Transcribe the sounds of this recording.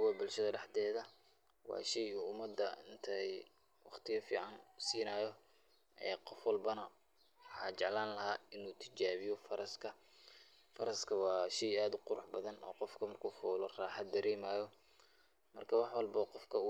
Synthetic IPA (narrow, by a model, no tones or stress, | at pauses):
kʊwɐbʊlʃɐðɐɖɑħd̪ɛːðɐ | wɑ̰ːʃɛjuːʊmɐd̪ːɐɪnt̪ʰɐ | wɑχt̪ʰɪjɐfḭːʕɑnsiːnaːjɔ | ʔɛ̰ːqɔfwɑlbɐnɐ | wħɑːt͡ʃɛʕlaːnlɐɦaːɪnuːt̪ʰɪ̥t͡ʃaːβɪjɔfɐɾɐskʰɐ | fɐɾɐskʰɐwɑːʃɛjaːd̪ʊqʊɾʊħbɐðɐnɔ̰ːqɔfkʰɐmɐrkʰuːfɔːlɔraːħɑd̪̚ːɐɾɛːmaːjɔ | mɐ̰rkʰɐwɑħwɑlbɐqɔfkʰɐʊ